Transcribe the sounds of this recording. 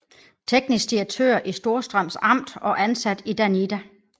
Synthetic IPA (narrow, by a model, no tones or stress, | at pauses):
t͡sʰeɡ̥nisɡ̥̚d̥iɐɡ̥̚t͡sʰø̰ːɐ̰ʔisd̥o̝ɐsd̥ʁɶm̰sɑ̈m̰d̥ɒ̽ʔænsæd̥id̥ænid̥æ